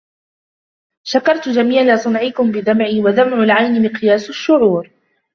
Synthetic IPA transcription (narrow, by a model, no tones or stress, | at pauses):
ʃakɑɾˤt̪d͡ʒamiːʕasˤɨnʕɪkʊmbɪðamʕiːwaðamʕʊlʕajnɪmɪqɨjaːsaʃːʊʕuːɾ